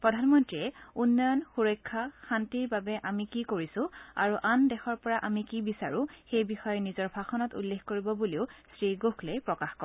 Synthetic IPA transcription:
pɹɔdʱanmɔntɹiɛunːɔjɔnxuɹɔjkʰːaxantiɹbabɛʔamikikoɹisʊ̃a̰ɹuʔandɛxɔɹpɔɹaʔamikibisaɹũxejbixɔjɔnizɔɹbʱaxɔnɔtṵlːexkoɹibɔbuliʊsɹiɡoxlejpɹɔkaxkɔ

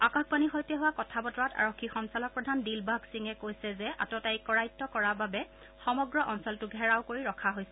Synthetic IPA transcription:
akakbanixojtɛɦʊwakɔtʰabɔtɔɹata̰ɹokʰːixɔnsalɔk̚pɹɔdʱandilbaɡsiŋɛkojsɛzɛʔa̰tɔtaikɔɹajtːɔkɔɹababɛ | xɔmɔɡɹɔʔɔnsɔltʊɡʱɛɹaʊkoɹiɹɔkʰaɦojsɛ

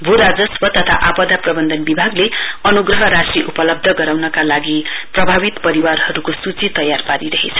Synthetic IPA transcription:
bʱuɾad͡zʌswʌt̪ʌt̪ʰa̰ʔapʌd̪aprʌbʌnd̪ʱʌnbibʱaɡleʌnuɡrʌɦʌɾasriʔupʌlʌb̚d̪ʱʌɡʌɾawnʌkalaɡiprʌbʱabit̪pʌɾiwarɦʌɾukosut͡sit̪ʌjarpaɾiɾʌɦet͡sʰʌ̥

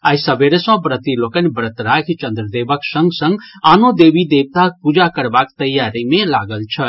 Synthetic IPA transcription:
aisəbeɾesə̃pɾət̪ilokənbəɾət̪ɾakʰit͡ʃənd̪ɾəd̪ebəksə̃ŋɡsə̃ŋɡanod̪ebid̪eb̚t̪apud͡ʒakəɾbakt̪əjːaɾimelaɡəlt͡ʃʰə

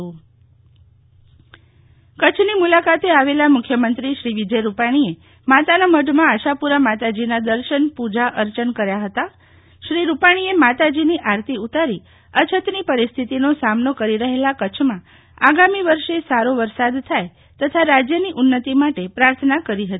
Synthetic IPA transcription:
ũ | kət͡ʃʰnimulakat̪eaʋelamʊkʰjəmənt̪ɾiʃɾiʋid͡ʒəjɾupaɽ̃ie | mat̪anaməɖ̪ʱmãːʃapuɾamat̪ad͡ʒinad̪əɾʃənpud͡ʒaʔəɾt͡ʃənkəɾjaɦət̪a | ʃɾiɾupaɽ̃iemat̪ad͡ʒiniʔaɾt̪ʰiut̪aɾi | ət͡ʃʰət̪nipəɾist̪ʰit̪inosamnokəɾiɾəɦelakət͡ʃʰmã | aɡamiʋəɾʃesaɾoʋəɾsad̪t̪ʰːaj | t̪ət̪ʰaɾad͡ʒjəniʔʊnːət̪imaʈepɾaɾt̪ʰənakəɾiɦət̪i

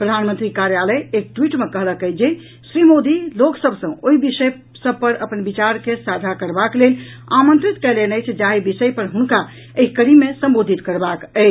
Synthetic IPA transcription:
pɾəd̪ʱanmənt̪ɾikaɾjaləjek̚ʈwiʈmekəɦləkət͡ʃd͡ʒe | sɾimod̪iloksəbʱsə̃oɦibisəj | səb̚ʱpəɾəpənbit͡ʃaɾkesad̪ʱakəɾbaklel | a̰mə̃nt̪ɾit̪kɛlenəjt͡ʃʰd͡ʒaɦibisəjpəɾɦunka | əɦikəɽimesə̃mbod̪ʱit̪kəɾbakəɪt͡ʃʰ

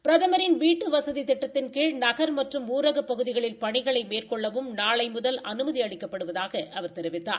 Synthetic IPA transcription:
pɪɾɐðɐmɐɾɪnʋiːʈːɯʋɐsɐðit̪ɪʈːɐt̪ːɪnkeːɻnɐɣɐɾmɐʈrɯmuːɾɐɣɐpːɐɣɯðɪɣɐɭɪlpɐɳɪɣɐɭɐɪmeːrkɔɭːɐʋɯmnaːɭɐɪmʊðɐlʔɐnɯmɐðiɐɭɪkːɐpːɐɽɯʋɐðaːɣɐʔɐʋɐɾt̪ɛɾɪʋɪt̪ːa̰ːɾ

